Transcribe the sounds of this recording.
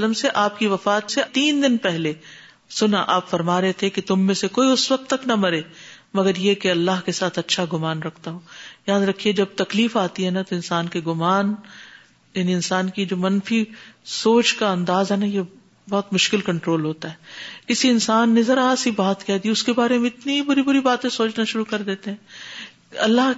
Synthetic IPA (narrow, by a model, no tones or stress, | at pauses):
ləmseʔaːp̚kiʋɐfaːt̪set̪iːnd̪ɪnpɛɦle | sʊnaʔaːpfɐɾmaːɾeɦet̪ʰeket̪ʊmːẽsekoːiʊsʋɐk̚t̪ːɐkt̪nɐmɐɾeːmɐɡəɾjekeɐlːaːɦkesaːt̪ʰɐtːʃʰaɡʊmaːnɾɐkʰt̪aɦõːjaːd̪ɾɐkʰied͡ʒɐb̚t̪ɐkliːfaːt̪iɦɛnat̪oɪ̃nsaːnkeɡʊmaːn | jaːniɪnsaːnkid͡ʒoːmɐnfisoːt͡ʃkaɐ̃nd̪aːzɦɛnaje | bɔɦːt̪mʊʃkɪlkɐ̃ɳʈɾoːlɦoːt̪aɦɛːkɪsiɪnsaːnːezɐɾasibaːt̪kɛd̪iʊskebaːɾemẽɪt̪nibʊɾibʊɾibaːt̪ẽsoːt͡ʃnaʃʊɾukɐɾd̪eːt̪eɦɛ̃ː | ɐlːaɦ